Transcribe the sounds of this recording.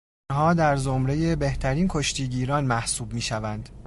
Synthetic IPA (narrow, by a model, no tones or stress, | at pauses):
ɦɒːd̪æɾzomɾe̞je̞be̞ht̪ʰæɾiːnkʰo̞ʃt̪ʰiːɟiːɾɒːnmæhsuːbmiːʃævænd̪̥